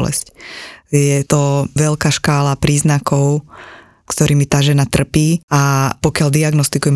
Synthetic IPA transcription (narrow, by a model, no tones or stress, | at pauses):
lɛ̰scjɛt̪ɔʋɛlkaːʃkaːlapɾiːznakɔʊ | kt̪ɔɾiːmit̪aːʒɛnat̪r̩piːapɔkɪald̪iaɡnɔst̪ikujɛm